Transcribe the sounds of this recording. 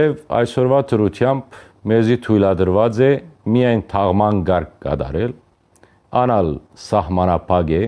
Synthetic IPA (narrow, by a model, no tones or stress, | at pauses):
ɛvɑ̰jsɔɾvat̪ʰəɾut̪ʰjamb | mɛzit̪ʰujlɑd̪əɾvɑd͡zɛmijɑjnt̪ʰɑʁmɑnɡɑɾkːɑ̰d̪ɑ̰ɾɛl | ɑnɑl | sɑhmɑnɑpʰɑɡɛ